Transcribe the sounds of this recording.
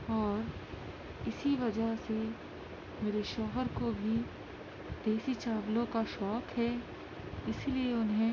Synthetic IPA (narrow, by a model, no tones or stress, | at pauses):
ɔːɾ | ɪsiʋɐd͡ʒəɦse | meːɾeʃɔːɦəɾkobʱi | d̪̥eːsit͡ʃaːʋlõkaʃɔːkɦɛː | ɪslieʊnɦẽ